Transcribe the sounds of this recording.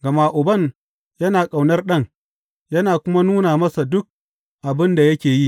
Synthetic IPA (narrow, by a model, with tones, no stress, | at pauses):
ɡɐ˨maː˦ʔʊ˨bɐ˦ŋ | jɐ˦naː˨kʼa˨wnɐ˦rɗɐ˦ŋ | jɐ˦naː˨kʷʊ˦ma˦nuː˦naː˨mɐ˦sa˨dʊ˦k̚ | ʔa˨bɪ˦nda˨jɐ˦kʲeː˨ji˦